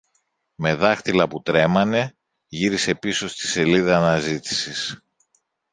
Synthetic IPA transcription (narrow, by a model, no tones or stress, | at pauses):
me̞ðɐxt̪ilɐput̪ɾe̞mɐne̞ | ʝiɾise̞piso̞st̪i̥se̞liðɐːnɐzit̪i̥sis